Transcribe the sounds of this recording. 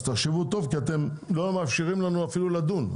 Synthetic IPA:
t̪aχʃevut̪o̞vkiat̪e̞m | lo̞mafʃiʁimlanuafilulad̪un

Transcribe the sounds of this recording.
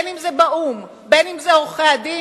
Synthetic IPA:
nimzebaʔum | benimzeoχead̪i

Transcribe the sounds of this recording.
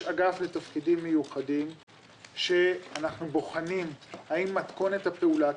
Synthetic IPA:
aɡaflet̪afkidimːe̞juχadim | ʃe̞anaχnubo̞χanimhaimːat̪ko̞net̪hapeula

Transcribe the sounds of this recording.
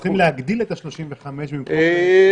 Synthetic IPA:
χimleaɡd̪ilet̪aʃlo̞ʃimveχameʃbimk

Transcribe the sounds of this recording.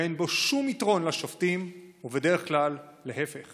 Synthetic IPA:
enboʃumitʁo̞nlaʃoftimuvede̞ʁeχklalː | ehefeχ

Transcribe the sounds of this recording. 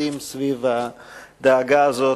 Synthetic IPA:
imsvivad̪aːɡaːzo

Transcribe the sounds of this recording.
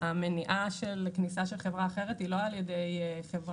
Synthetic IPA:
ameniʔaʃelknisaʃe̞lχevʁaːχeʁetilo̞aljedejχevʁ

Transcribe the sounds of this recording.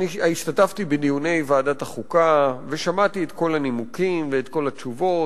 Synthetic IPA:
iaiʃtataftibenijune̞jvaːdataχukave̞ʃamatiet̪ko̞lanimukimveːtko̞lat͡ʃuvo̞

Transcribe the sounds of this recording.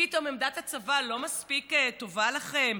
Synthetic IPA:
it̪o̞memd̪atat͡savalo̞maspiketo̞valaχem

